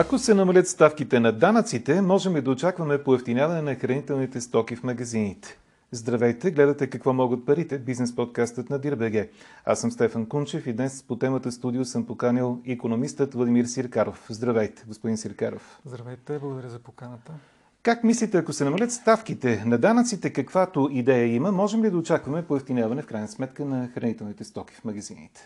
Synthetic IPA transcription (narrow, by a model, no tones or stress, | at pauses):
ɐkosɛnɐmɐlʲət̪st̪afkit̪ɛnɐd̪anət̪sit̪ɛmɔʒɛmlid̪ɐot͡ʃakvɐmɛpoɛft̪inʲjavɐnɛnɐxɾɐnit̪ɛlˠnit̪ɛst̪ɔkʲifmɐɡɐzinit̪ɛ̥ | zd̪ɾɐvɛjt̪ɛɡlɛd̪ət̪ɛkɐkvɔmɔɡət̪̚pɐɾit̪ɛbiznɛspɔt̪̚kast̪ət̪nɐd̪iɾbɛɡɛ | a̰səmst̪ɛfənkunt͡ʃɛfid̪nɛspot̪ɛmət̪əst̪ud̪iosɤmpokanʲilˠikonomist̪ət̪vlˠɐd̪imiɾsiɾkaɾofzd̪ɾɐvɛjt̪ɛ̥ɡospod̪insiɾkaɾo̰fzd̪ɾɐvɛjt̪ɛblˠəɡod̪ɐɾʲəzɐpokanət̪ə | kakmislit̪ɛɐkosɛnɐmɐlʲət̪st̪afkit̪ɛnɐd̪anət̪sit̪ɛkɐkvat̪oid̪ɛjəiməmɔʒɛmlid̪ɐot͡ʃakvɐmɛpoɛft̪injavɐnɛfkɾajnəsmɛt̪kənɐxɾɐnit̪ɛlˠnit̪ɛst̪ɔk̟ʲi̥fmɐɡɐzinḭt̪ɛ̥